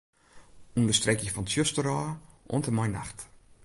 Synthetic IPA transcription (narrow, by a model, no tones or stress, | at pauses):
undəstrɛkɪfɔnsjøstəɾaːʔɔ̰ntəmajna̰xt